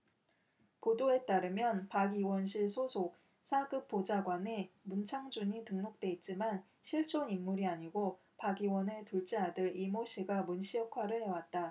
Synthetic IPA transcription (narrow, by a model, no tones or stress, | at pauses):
podoe̞t͈aɾɯmjʌnpaɡiwʌnɕʰiɭsʰosʰok̚ | sʰaɡɯp̚p͈od͡ʑaɡwane̞munt͡ɕʰaŋd͡ʑuɲitɯŋnok̚t͈we̞it̚t͡ɕ͈iman | ɕʰiɭt͡ɕ͈ʰonimːuɾiaɲiɡo | paɡiwʌnetuɭt͡ɕ͈eɦadɯɾimoɕʰiɡamunɕʰijʌkʰwaɾɯɭhe̞wat̚t͈a